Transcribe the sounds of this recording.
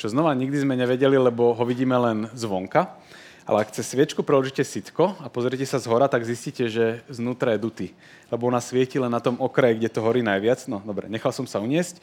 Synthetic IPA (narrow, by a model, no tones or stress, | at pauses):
t͡ʃɔznɔʋaɲiɡd̪izmɛɲɛʋɛɟɛlilɛbɔɦɔʋiɟiːmɛlɛnzʋɔŋka | ʔa̰lɛakt͡sɛsʋɪɛt͡ʃkupɾɛɔɾʒicɛsit̪kɔapɔzɾijɛcɛsazɦɔɾat̪aɡzisciːcɛʒɛznuːt̪ɾajɛd̪ut̪iː | lɛbɔɔnasʋɪɛcilɛnːat̪ɔmɔkɾajiɡɟɛt̪ɔɦɔɾiːnajʋɪat͡snɔd̪ɔbɾɛ̰ɲɛxalsɔmsauɲɪɛsc